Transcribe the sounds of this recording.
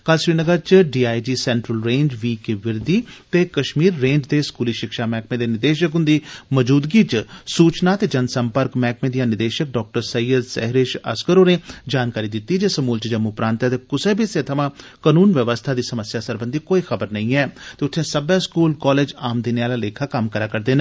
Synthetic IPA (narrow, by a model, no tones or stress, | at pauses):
kəlʃɾiːnəɡəɾt͡ʃɖiːaːid͡ʒiːsɛːɳʈɾəlɾẽːɲd͡ʒʋiːkeːʋɪɾd̪iːt̪eːkəʃmiːɾːẽːɲd͡ʒd̪eːskuːliːʃɪkʃaːmɛ̃ːk̚mẽːd̪eːnɪd̪eːʃəkɦʊ̃nd̪iːməd͡ʒuːd̪ɡiːt͡ʃsuːt͡ʃnaːt̪eːd͡ʒənsəmpəɾkmɛːkʰmẽːd̪ijãːnɪd̪eːʃək̚ɖɔːk̚ʈəɾsəiːəɾsɛ̰ɦɾeːʃə̰skəɾoːneːd͡ʒaːnkaːɾiːd̪ɪt̪ːiːd͡ʒeːsəmuːlt͡ʃəd͡ʒəmːupɾãːnt̪ɛːt̪eːkʊsẽːbʱiseːt̪ʰəmãːkənuːnʋəʋəst̪ʰaːd̪iːsəməsjaːsəɾbə̃nd̪iːkoːiːxʰəbəɾnəĩːɛːt̪eːʊt̪ʰːẽːsəbɛːskuːlkɔːleːd͡ʒaːmd̪iːneːaːlaːleːkʰaːkəmkəɾaːkəɾd̪eːnẽ